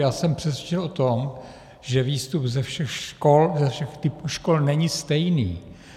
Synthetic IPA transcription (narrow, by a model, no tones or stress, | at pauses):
jaːsɛmpr̝̥ɛt̪sʋjɛt͡ʃɛlʔot̪om | ʒɛviːst̪upzɛfʃɛxʃkolzɛfʃɛxt̪ɪpuːʃkolnɛɲɪst̪ɛjnḭː